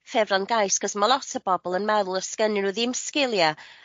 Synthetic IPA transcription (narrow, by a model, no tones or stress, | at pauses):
fɛvranɡajsɡ̥ɔsmalˠɔtʰəbɔbɔlˠənmɛðʊlˠəskənɨnuðimskɪlˠja